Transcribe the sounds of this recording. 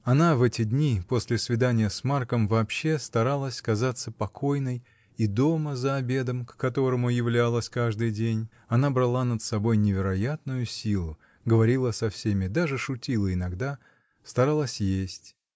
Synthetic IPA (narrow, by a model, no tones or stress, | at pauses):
ɐnavɛtʲɪd̪ʲnʲipo̞sʲlʲɪsvʲɪd̪anʲɪjəsmarkəmvɐːpɕːe̞st̪ɐɾalˠəsʲkɐzat̪səpɐkʰo̞jnəj | id̪o̞məzəɐbʲe̞d̪əmkkɐt̪o̞ɾəmʊjɪvlʲalˠəsʲkaʐd̪ɨjdʲenʲ | ɐnabɾɐlˠanət̪sɐbo̞jnʲɪvʲɪɾɐjat̪nʊjʊsʲilˠʊ | ɡəvɐɾʲilˠəsɐfsʲemʲɪd̪aʐɨʂʊtʲilˠəɪnɐɡd̪a | st̪ɐɾalˠəsʲjesʲtʲ